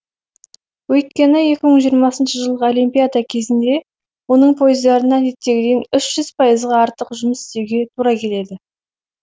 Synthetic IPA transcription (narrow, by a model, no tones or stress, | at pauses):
wɵjt̪̚kʲe̞nɪje̞kʲɪməɴʒijəɾmɑsənʃəʒəlˠʁəo̞lʲijmpʲijad̪ɑkʲʰe̞zɪnd̪e̞ | wo̞nəɴpʰo̞jəzd̪ɑɾənɑd̪e̞t̪ːe̞ɡʲɪd̪enʏʃʒ̥ʏz̥pʰɑjəzʁɑɑɾt̪əqʒʊməsɪ̥st̪e̞wɡʲe̞t̪ʰuɾɑkʲʰe̞le̞d̪ɪ